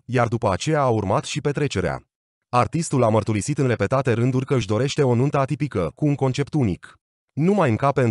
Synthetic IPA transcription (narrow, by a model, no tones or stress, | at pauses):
jard̪upəat͡ʃe̞jaːurmat̪ʃipe̞t̪ɾe̞t͡ʃe̞ɾea̰ | art̪ist̪ulamərt̪uɾisit̪ɨnre̞pe̞t̪at̪e̞ɾɨnd̪urʲkəɨʃd̪o̞ɾe̞ʃt̪e̞o̞nunt̪əat̪ipikəkuːŋko̞nt͡ʃe̞pt̪unik | numajɨŋkape̞n